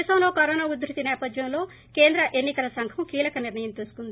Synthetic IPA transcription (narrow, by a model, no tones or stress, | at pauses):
sɐmloːkɐɾoːnaːud̪ɾit̪inɛːpɐd̪jɐmlo̞ː | ke̞ːnd̪ɾɐʔe̞nːikɐlɐsɐŋkʰɐmkiːlɐkɐniɾnɐjɐmt̪uːsu̥kund̪i